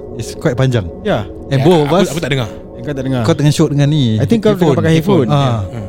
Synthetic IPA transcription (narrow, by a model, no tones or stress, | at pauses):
iskoɛʔ̚paɲd͡ʒaŋja | ɛnbobaakut̪aʔdəŋar | ɛnkat̪aʔdəŋakat̪əŋanʃoʔ̚dəŋaniajt̪iŋkːauapakahifuna